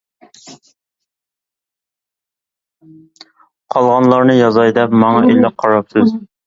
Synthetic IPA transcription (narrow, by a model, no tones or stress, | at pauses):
qʰɑlˠʁɑnlˠɑɾnɨjɑzɑjd̪ɛpmɑŋɑʔijlɑqʰɑɾɑpsɪz